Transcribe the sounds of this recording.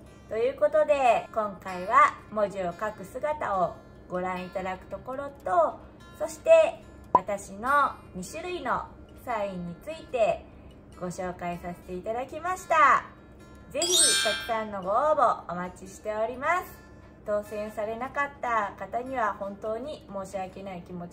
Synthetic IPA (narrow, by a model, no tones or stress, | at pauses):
t̪o̞jɯ̟ːko̞t̪o̞d̪e̞kõ̞ŋkaiβamo̞ʑio̞kakɯ̟sɨɡat̪ao | ɡ̥o̞ɾãɰ̃it̪ad̪akɯ̟̥t̪o̞ko̞ɾo̞t̪o̞ | so̞ɕi̥t̪e̞ | βat̪aɕino̞ | mʲiɕɨɾɯ̟ino̞̰ | saĩɲ̟ːit͡sɨit̪e̞ | ɡ̥o̞ɕo̞ːkaisase̥t̪e̞it̪ad̪akʲimaɕi̥t̪a | ze̞çikʲakɯ̟̥sãnːo̞ɡo̞bo̞omat͡ɕiɕi̥t̪e̞o̞ɾʲimasɨ̥ | t̪o̞ːsẽ̞ɰ̃saɾe̞nakat̪ːakat̪aɲ̟iβahõ̞nt̪o̞ːɲ̟imo̞ːɕiake̞naikʲimo̞